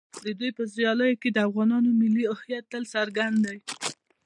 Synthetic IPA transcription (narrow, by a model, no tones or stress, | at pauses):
d̪əd̪ujpəzjɑləjoked̪əafɣɑnɑnomɪlːiɪhjat̪ːəlsaɾɡand̪d̪aj